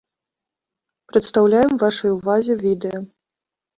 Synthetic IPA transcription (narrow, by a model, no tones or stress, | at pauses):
pɾɐt̪st̪awlʲajɛmvaʂɐjuvazʲɛvʲid̪ɛjɐ